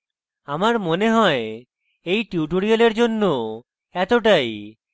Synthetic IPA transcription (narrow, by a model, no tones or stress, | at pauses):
amaɾmoneɦɔe | ejʈuʈoɽioleɾd͡ʑonːo | ɛt̪oʈ̬aj